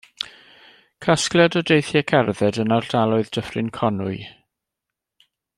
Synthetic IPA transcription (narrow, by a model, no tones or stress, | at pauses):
kʰasklˠɛdɔdejθjɛkʰɛrðɛdənard̥alˠɔɨðd̥əfrɪnkʰɔnʊɨ